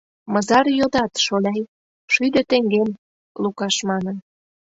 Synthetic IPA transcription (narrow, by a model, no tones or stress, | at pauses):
mɤ̆zɑrjod̪ɑt̪ʃolʲɑj | ʃyd̪ø̆t̪eŋɡem | lukɑʃmɑnən